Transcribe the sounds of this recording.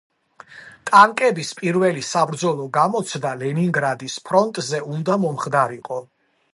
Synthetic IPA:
t̪ʼaŋkʼɛbispʼiɾvɛlisabɾd̪zɔlˠɔɡamɔt̪sʰd̪alɛniŋɡɾad̪ispʰɾɔnt̪ʼzɛund̪amɔmχd̪aɾiqʼɔ

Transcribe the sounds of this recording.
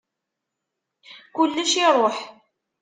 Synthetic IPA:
kʊlːæʃiɾˤoħ

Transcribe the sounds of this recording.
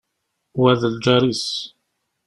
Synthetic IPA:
wæðəld͡ʒɑɾis

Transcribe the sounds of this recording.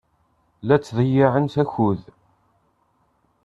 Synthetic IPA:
læt͡sːðˤəjɪʕənsæçuð

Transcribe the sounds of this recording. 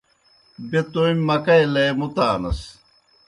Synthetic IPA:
bet̪ojmʲːɐkɐjlɐjmut̪aːnɐ̰s

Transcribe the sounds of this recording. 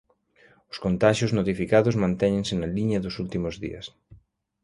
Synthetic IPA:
ʊskont̪aʃjʊznot̪ifikaðʊzmãnt̪ɛɲẽŋsɪnɐliɲɐðʊsult̪imʊzðḭɐ̰s

